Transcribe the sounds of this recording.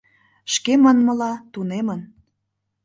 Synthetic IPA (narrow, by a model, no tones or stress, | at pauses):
ʃkemənmə̆lɑt̪unemən